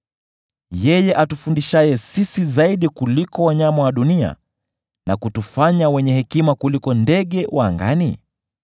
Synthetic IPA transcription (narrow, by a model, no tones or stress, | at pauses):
jɛjɛʔatufundiʃajɛsisizaiɗikulikɔwaɲamawaɗunia̰ | nakutufaɲawɛɲɛhɛkimakulikɔndɛɠɛwaːŋɡa̰nḭ